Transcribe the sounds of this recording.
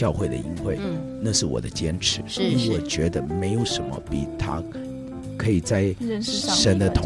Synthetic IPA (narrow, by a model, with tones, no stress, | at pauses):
jɑ˥˧ʊxwe˥˩ɪd̪ə̰˩i˥nxwe˥˩ɪ | na˥˧ʂɻ̩˥˩wɔ̰˨˩d̪ə˦t͡ɕjɛ˥nʈ͡ʂʰɻ̩˧˥i˥wɔ˨˩t͡ɕɥɛ˧˥d̪ə˧me˧˥ɪjo˨˩ʊʂə˧˥nmə̰˧pḭ˨˩t̪ʰa̰˥ | kʰɤ˧˥i˨˩t͡sa˥˩ɪʂə˧˥nd̪ə˨t̪ʰʊ˧